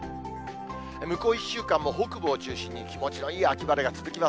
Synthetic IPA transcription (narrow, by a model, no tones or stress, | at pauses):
mɯ̟ko̞ːiɕːɨːkãmːo̞ɦo̞ːkɯ̟bɯːt͡ɕɨːɕĩɲ̟ːikʲimo̞t͡ɕino̞iːakʲibaɾeɡat͡sɨzɨkʲima